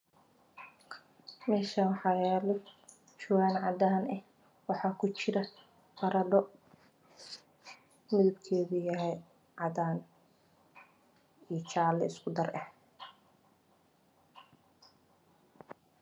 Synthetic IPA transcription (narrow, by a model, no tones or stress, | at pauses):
mɛːʃɐwħɑjɛːlɔ | t͡ʃʊwaːnʕɑd̪aːnɛh | wɑħɑːkʰʊt͡ʃɪɾɐ | fɐɾɐɖɔ | mɪðʊbkʰɛːðujɐɦɛj | ʕɑd̪aːn | ijt͡ʃaːlɛɪskʰʊd̪ɐrɐh